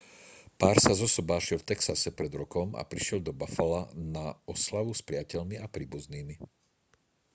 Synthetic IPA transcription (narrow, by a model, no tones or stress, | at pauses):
paːɾsazɔsɔbaːʃɛlft̪ɛksasɛpɾɛd̪ɾɔkɔma̰pɾiʃɪɛld̪ɔbafalanaɔslaʋuspɾɪacɛʎmiapɾiːbuzniːmi